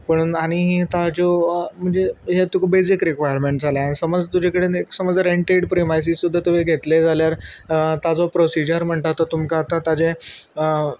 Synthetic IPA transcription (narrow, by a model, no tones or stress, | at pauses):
pəɳaɽ̃iɦet̪ad͡zɔm̤əɳd͡zeɦet̪ukbesikɾikʋajəɾmeɳʈd͡zaljaañisəməd͡zt̪ud͡ʑʱekəɽeneksəməd͡zɾeɳʈeɖpɾimajs̬isud̪ʱːat̪uʋ̤eɡʱet̪led͡zʱaljaɾt̪ad͡zɔpɾosid͡ʑəɾm̤əɳt̪at̪ot̪umkaːt̪at̪ad͡ze | ə